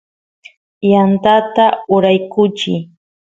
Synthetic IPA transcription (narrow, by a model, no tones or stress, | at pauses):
jant̪at̪aʊɾajkʊt͡ʃɪ